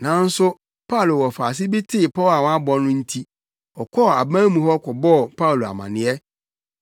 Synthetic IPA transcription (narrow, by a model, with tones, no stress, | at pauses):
nã˨n̩˦sʊ˦ | pʰa˦u˨lo˨wɔ˨faː˨s̬ɪ˦bi˦tʰɪ˦˨pɔ˦a˨wɔ̃˦a˦bɔ˦nʊ̃˦n̩˦tʰi˦ | ɔ˨kʰɔ˦˨a˨bã˦mũ˨hɔ˦kʰɔ˨bɔ˦˨pʰa˦u˨lo˨a̰˨mã̰˨nɪ̃˨ɛ˦